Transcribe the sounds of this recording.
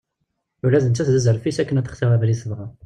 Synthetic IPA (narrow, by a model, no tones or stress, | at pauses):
ulːæzənt͡s̪ːæθzæzəɾfisækːənæt̪ːə̥χsɪʁævlisəvʁɑ